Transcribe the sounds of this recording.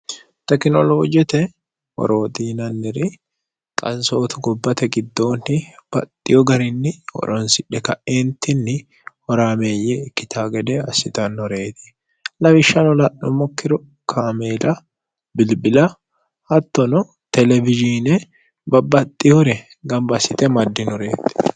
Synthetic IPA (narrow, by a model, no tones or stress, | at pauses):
t̪ɛknɔloːd͡ʒɛt̪ɛ | hɔ̰ɾo̞ːd̪iːnɐnːɪɾɪ | kʼɐnso̞ːt̪ʊɡɔbːɐt̪ɛɡɪd̪ːoːnːɪb̥ɐt̪ʼːɪjɔɡɐɾɪnːɪhɔ̰ɾɔnsɪᶑɛkɐʔeːnt̪ːɪnːɪ | hɔɾaːmeːjɛkːɪt̪ʰaːɡɛd̪ɛɐsɪt̪ɐnːɔɾe̞ːt̪ɪ̥ | lɐbɪʃːɐnɔlɐʔːɔmɔkːɪɾɔ | kʰaːmeːlɐ | bɪlbɪlɐ | hɐt̪ːɔnɔ | t̪ɛlɛvɪd͡ʒiːnɛ | bɐbɐt̪ʼːɪjɔɾɛ | ɡɐmbɐsɪt̪ɛmɐd̪ːɪnɔɾeːt̪ɪ̥